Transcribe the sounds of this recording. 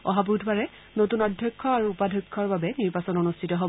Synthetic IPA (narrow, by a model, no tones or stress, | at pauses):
ɔ̰ɦabutʰbaɹɛ | notunadʱjɔkʰːɔaɹuːpadʱɔkʰːɔɹbabɛniɹbasɔnonustʰitɔɦo